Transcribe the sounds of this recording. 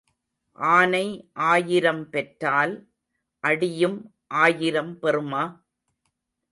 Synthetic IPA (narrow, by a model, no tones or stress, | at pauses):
ʔaːnɐɪʔaːjɪɾɐmpɛʈɾaːl | ʔɐɽɪjɯm | ʔaːjɪɾɐmpɛrɯmaː